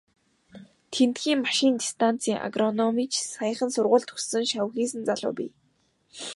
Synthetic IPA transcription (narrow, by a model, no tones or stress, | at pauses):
t̪ʰent̪xiːŋmaʃɪnt̪ʲi̥st̪ʰan̥t͡sʰiːŋʔa̰ɡrɔnɔmiːt͡ɕʰsajχə̆nsʊrʁʊːɮt̪ʰxɵ̥sɘ̆ŋʃaw̆xiːs̬ɘ̆nt͡saɮʊ̰ːpʲḭː